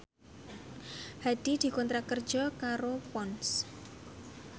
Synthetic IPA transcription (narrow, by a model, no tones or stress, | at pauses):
had̪̥i̤d̪̥i̤kɔnt̪ɾakərd̥ʒ̥ɔ̤kaɾopɔns